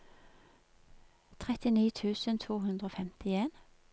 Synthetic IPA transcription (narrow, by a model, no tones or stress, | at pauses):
t̪ʰʁɛt̪ɪniːt̪ʰʉːsənt̪ʰuːɦʉnd̪ʁoːfɛmt̪ɪeːn